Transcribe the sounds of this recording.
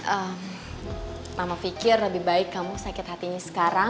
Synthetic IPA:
ʔəm | mamafikɪrləbɪhbaɪkːamusakɪt̪̚hat̪iɲasə̥kaɾa

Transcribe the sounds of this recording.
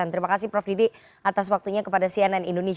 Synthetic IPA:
ant̪əɾimakasɪhpɾɔfdidi | ʔat̪aswak̚t̪uɲakəpadasiananindones

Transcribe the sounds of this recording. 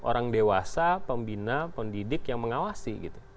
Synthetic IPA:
ʔo̰ɾaŋdewasapəmbinapəndidɪkjaŋməŋawasiɡit̪u̥

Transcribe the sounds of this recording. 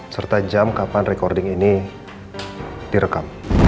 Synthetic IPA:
sərt̪ad͡ʒamkapanrekɔrdɪŋini | diɾəkam

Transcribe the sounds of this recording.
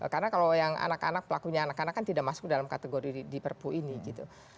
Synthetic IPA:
karnakalojaŋa̰naka̰nak̚pəlakuɲaːnakanakːant̪idaʔmasʊ̥k̚dalamkat̪eɡoɾidipərpuʔiniɡit̪ṵ

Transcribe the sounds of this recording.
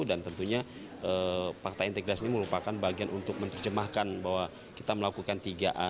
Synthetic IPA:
dant̪ənt̪uɲa | əfak̚t̪aint̪eɡɾasiniməɾupakanbaɡianʔunt̪ʊk̚mənt̪ərd͡ʒəmahkanbaɦwa | kit̪aməlakukant̪iɡaʔa

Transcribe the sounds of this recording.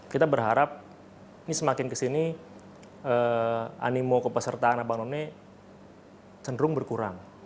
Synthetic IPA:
kit̪abərɦaɾap̚ | nisəmakɪnkəsini | əa̰nimokəpəsərt̪aanabaŋnonɛ | t͡ʃəndɾʊŋbərkuɾa̰ŋ

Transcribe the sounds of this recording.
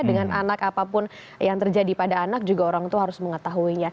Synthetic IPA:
dəŋanʔanakapapʊn | jaŋt̪ərd͡ʒadipadaːnak̚d͡ʒuɡaoɾaŋt̪uɦaɾʊsməŋət̪aɦuiɲa

